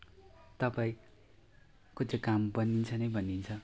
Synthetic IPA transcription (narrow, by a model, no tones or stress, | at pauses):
t̪ʌpaĩ | kot͡sekambʌnint͡sʰʌnʌjbʱʌnint͡sʰʌ